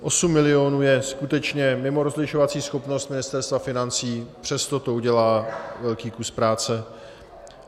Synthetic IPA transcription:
ʔo̞sumːɪlɪo̞nuːjɛskut̪ɛt͡ʃɲɛmɪmo̞ɾozlɪʃovat͡siːsxo̞pnost̪mɪnɪst̪ɛɾst̪vafɪnant͡siːpr̝̥ɛst̪o̞t̪o̞uɟɛlaːvɛlkiːkuspɾaːt͡sɛ

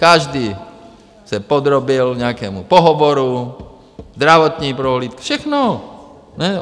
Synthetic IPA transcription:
kaʒd̪iː | sɛpɔd̪ɾɔbilɲɛakɛːmṵpɔɦɔʋɔɾu | zd̪ɾaʋɔt̪ɲiːpɾɔɦlit̪kfʃɛxnɔ | ɲɛ

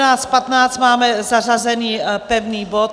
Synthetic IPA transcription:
aːt͡st̪pat̪naːt͡st̪maːmɛzarazɛniːpɛvniːbot̪

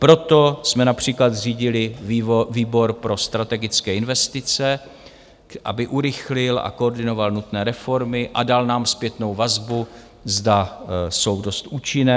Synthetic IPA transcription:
pɾo̞t̪o̞smɛnapr̝̥iːklat̪riːɟɪlɪviːbo̞ɾpɾo̞st̪ɾat̪ɛɡɪt͡skɛːɪnvɛst̪ɪt͡sɛ | ʔa̰bɪʔuɾɪxlɪlʔa̰kooɾdɪno̞valnut̪nɛːɾɛfo̞ɾmɪʔadalnaːmspjɛt̪no̞wvazbu | zdaso̞wdo̞st̪ʔuːt͡ʃɪnɛː

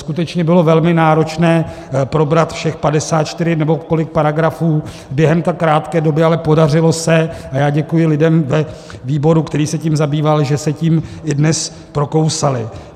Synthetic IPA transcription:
skut̪ɛt͡ʃɲɛbɪlo̞vɛlmɪnaːɾo̞t͡ʃnɛː | pɾo̞bɾat̪fʃɛxpadɛsaːt̪t͡ʃt̪ɪɾɪnɛbo̞ko̞lɪk̚paɾaɡɾafuː | bjɛɦɛmt̪ɛːkɾaːt̪kɛːdo̞bɪalɛpo̞darɪlo̞sɛajaːɟɛkujɪlɪdɛmvɛ | viːbo̞ɾukt̪ɛɾiːsɛcimzabiːvalʒɛsɛciːmɪdnɛs | pɾo̞ko̞wsalɪ

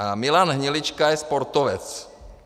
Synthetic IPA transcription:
amilaːnɦɲilit͡ʃkajɛspɔɾt̪ɔʋɛ̰t͡s

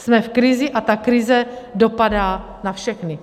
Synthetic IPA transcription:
smɛfkɾɪzɪʔat̪akɾɪzɛdo̞padaː | nafʃɛxnɪ

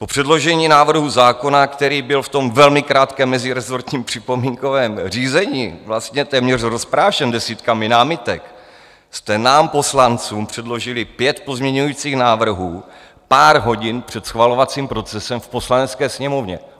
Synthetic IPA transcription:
po̞pr̥ɛdlo̞ʒɛɲiːnaːvr̩ɦuzaːko̞nakt̪ɛɾiːbɪlft̪o̞mvɛlmɪkɾaːt̪kɛːmːɛzɪɾɛzo̞ɾt̪ɲiːmpr̝̥ɪpo̞miŋko̞vɛːmr̝iːzɛɲiːvlast̪ɲɛt̪ɛːmɲɛr̝ɾo̞spɾaːʃɛndɛsiːt̪kamɪnaːmɪt̪ɛk | st̪ɛnaːmpo̞slant͡suːmpr̝̥ɛdlo̞ʒɪlɪpjɛt̪po̞zmɲɛɲujiːt͡siːxnaːvr̩ɦuː | paːɾɦo̞ɟɪnpr̝̥ɛt̪sxvalo̞vat͡siːmpɾo̞t͡sɛsɛmfpo̞slanɛt͡skɛːsɲɛmo̞vɲɛ̰

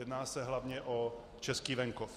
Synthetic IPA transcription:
ɛdnaːsɛɦlavɲɛʔo | t͡ʃɛskiːvɛŋkof

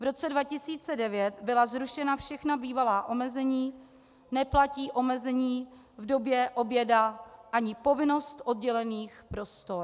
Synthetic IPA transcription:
vɾo̞t͡sɛdvacɪsiːt͡sɛdɛvjɛt̪bɪlazɾuʃɛnafʃɛxnabiːvalaːʔo̞mɛzɛɲiː | nɛplaciːʔo̞mɛzɛɲiː | vdo̞bjɛʔo̞bjɛdaʔaɲɪpo̞vɪno̞st̪ʔo̞d̚ɟɛlɛniːxpɾo̞st̪oɾ

